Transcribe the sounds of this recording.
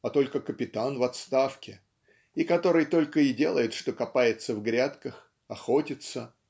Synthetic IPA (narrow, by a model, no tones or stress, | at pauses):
ɐt̪o̞lʲkəkəpʲɪt̪anvɐt̪st̪afkʲɪ | ikɐt̪o̞ɾɨjt̪o̞lʲkəɪdʲe̞lˠəjɪt̪ʂt̪o̞kɐpajɪt̪səvɡɾʲat̪kəx | ɐxo̞tʲɪt̪sə